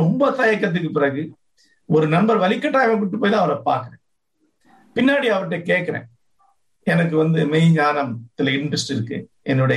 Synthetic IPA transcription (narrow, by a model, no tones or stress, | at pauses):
ɔmbɐt̪ɐjɐk̬ːɾɐt̪̬ːɯk̬ːɯpɪɾɐɣɯ | ɔɾɯnɐmbɐɾʋɐlɪkːɐʈːaːɣɐɪʈːɯpːoːjt̪ãːɐʋɐɾɐpa̰ːɾkɐɾḛ̃ː | pɪnːaːɽiɐʋɐʈːekeːʈ̚kːɐɾḛ̃ː | ɛnɐk̬ːɯʋɐnd̪ɯmɛjɲaːnɐmt̪ɪlɐɪɳʈɾɐsʈɪɾɯkːɯ̰ | ʔɛnːɯɽɐ